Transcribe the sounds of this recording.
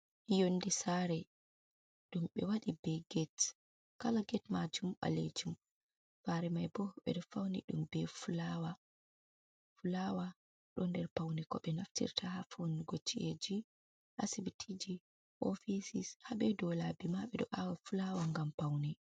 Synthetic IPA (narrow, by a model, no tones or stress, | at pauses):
jondisaɾɛ | ɗumɓɛwaɗibɛɡɛt | kalaɡɛtmad͡ʒumɓa̰lḛd͡ʒum | faɾɛmajbɔɓɛ̰ɗɔfawnḭɗumbɛfulawa | fulawa | ɗɔndɛɾpawnikɔɓɛnaftḭɾtʰahafoniɡot͡ʃːied͡ʒi | ʔasibitʰid͡ʒi | ʔofisishaɓɛdɔlabimaɓɛɗɔʔawafulawaŋɡampawni